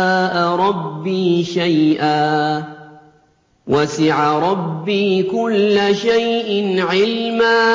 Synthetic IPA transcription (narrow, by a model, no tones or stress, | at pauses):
aːʔaɾˤɑbːiːʃajʔaː | wasɪʕaɾˤɑbːiːkʊlːaʃajʔɪnʕɪlmaː